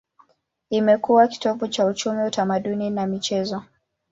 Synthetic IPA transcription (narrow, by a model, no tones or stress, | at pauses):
imɛkuwaki̥tɔvɔt͡ʃaut͡ʃumiutamaɗuninamit͡ʃɛzɔ